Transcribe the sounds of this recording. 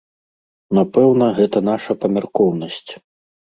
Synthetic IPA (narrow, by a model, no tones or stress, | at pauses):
napɛwnɐɣɛt̪ɐnaʂɐpɐmʲarkɔwnɐsʲt͡sʲ